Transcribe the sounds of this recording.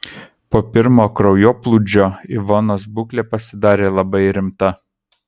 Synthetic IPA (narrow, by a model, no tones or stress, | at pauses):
poːpʲɪɾmoːkɾɔʊjoːplˠuːd͡ʒʲoːɪʋonoːsbʊklʲeːpɐsʲɪd̪ɑːɾʲeːlˠɐbɐɪɾʲɪmt̪ɐ